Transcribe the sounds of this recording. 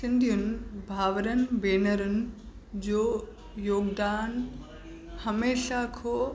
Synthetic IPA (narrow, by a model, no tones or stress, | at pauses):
sɪnd̪ʱijʊnbʱaːʋɾənbeːnəɾʊn | d͡ʑoː | joːɡd̪aːn | hɐmeːʃakʰoː